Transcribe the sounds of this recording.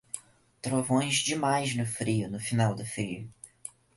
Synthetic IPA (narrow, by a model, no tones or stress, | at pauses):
t̪ɾovõj̃zd͡ʒɪmajznʊfɾiʊnʊfinawd̪ʊfɾiʊ